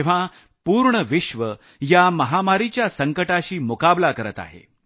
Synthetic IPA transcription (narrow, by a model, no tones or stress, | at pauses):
eʋ̤a | puːɾɳəʋiɕʋə | jaməɦamaɾit͡ɕjasəŋkəʈaɕiːmukablakəɾət̪a̰ɦḛ